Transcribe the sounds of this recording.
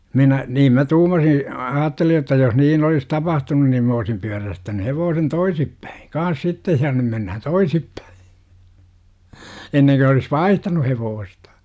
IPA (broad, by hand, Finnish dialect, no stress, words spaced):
minæ niːm mæ tuːmɑsi ɑːtːeli jotːɑ jos niːn olis tɑpɑhtunun nim m oːsim pyæræstæny heʋoːsen toisip pæi kɑːn̞s sitːej jɑ nym menːæhæn toisipːæ̥i̥ enːeŋko olis ʋɑihtɑnu heʋoːstɑ̥